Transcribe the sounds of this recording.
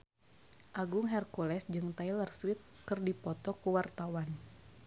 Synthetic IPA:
ʔaɡuŋɦɛrkulɛsd͡ʒɨŋt̪ajlərswɪt̪̚kɨrdipɔt̪ɔkuwart̪awan

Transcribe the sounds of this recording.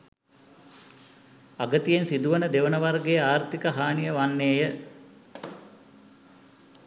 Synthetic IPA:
aɡət̪ijensid̪uʋənəd̪eʋənəʋarɡejəaːrt̪ikəɦaːnijəʋanːeːjə

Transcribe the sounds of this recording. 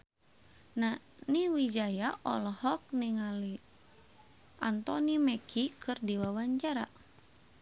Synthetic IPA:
na | niwid͡ʒajaʔɔ̰lɔhɔk̚niŋali | ʔa̰nt̪ɔnimɛkʰikɨrdiwawaɲt͡ʃaɾa

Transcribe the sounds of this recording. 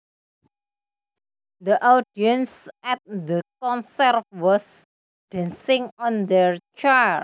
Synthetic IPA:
d̪əʔadiə̃nsɛt̪̚d̪əkɔ̃nsɛrfwɔs | d̥ɛ̃nsɪ̃ŋɔ̃nd̪ɛɹt͡ʃa

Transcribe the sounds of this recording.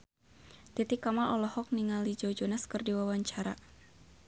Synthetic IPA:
t̪it̪ikamaɔlɔhɔk̚niŋalid͡ʒɔd͡ʒɔnaskɨrdiwawaɲt͡ʃaɾa

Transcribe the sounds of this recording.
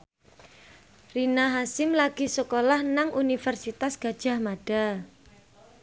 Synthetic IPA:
rinaɦasɪmlaɡ̥isəkolahnaŋʔunifɛrsit̪asɡ̥a̤d̥ʒ̥a̤hmaɖ̥a

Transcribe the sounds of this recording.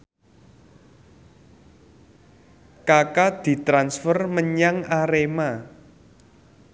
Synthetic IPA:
kakad̪̥i̤t̪ɾansfərməɲaŋaɾema

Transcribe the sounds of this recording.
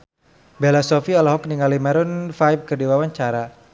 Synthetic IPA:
belasɔfialaɦɔkniŋalimɛɾʊnfajb̚kərdiwawaɲt͡ʃaɾa

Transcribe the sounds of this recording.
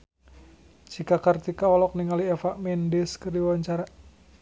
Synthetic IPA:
t͡ʃikakart̪ikaɔlɔk̚niŋaliɛfaʔmɛndɛskərdiwaɲt͡ʃaɾa

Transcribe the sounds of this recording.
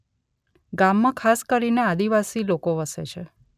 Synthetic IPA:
ɡamːãkʰaskəɾinead̪iʋasilokoʋəsḛt͡ʃʰe

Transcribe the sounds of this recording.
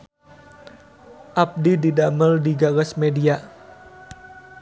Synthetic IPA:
ʔap̚dididaməldiɡaɡasmedia

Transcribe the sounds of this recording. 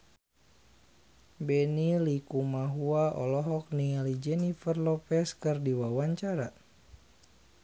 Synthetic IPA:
bɛnilikumaɦuaʔɔ̰lɔɦɔk̚nialid͡ʒɛnifərlɔpɛskɨrdiwawaɲt͡ʃaɾa

